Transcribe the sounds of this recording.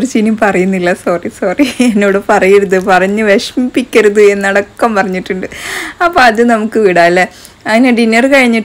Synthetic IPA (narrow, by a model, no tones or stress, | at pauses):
oɾut͡ɕinimpɐrɐjunːilːɐsɐrisɐrienːoːɽɨpɐrɐjɐɾɐðɨpɐrɐɲːɨʋeʂmipːikʲːɐɾɐðɨe̞nːɐɽɐkːɐmpɐrɐɲːiʈːuɳɖɨɐpːoɐðɨnɐmukːɨʋiɽaːlːe | ɐðineɖinːɐrkɐɻiɲːiʈː